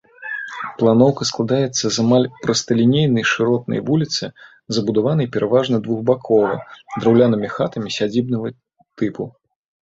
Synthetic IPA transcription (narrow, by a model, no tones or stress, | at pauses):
plˠanɔwkɐsklˠad̪ajɛt̪sːɐzamalʲpɾɐst̪ɐlʲinʲejnɐjʂɨɾɔt̪nɐ̰jvulʲit̪sɨ | zɐbud̪avan̪ɐjpʲɛɾʔavaʐnɐd̪vuɣbakʰɔvɐ̰d̪ɾɐwlʲanɨmʲixat̪ɐmʲisʲad͡zʲibnɐɣɐ | t̪ɨpu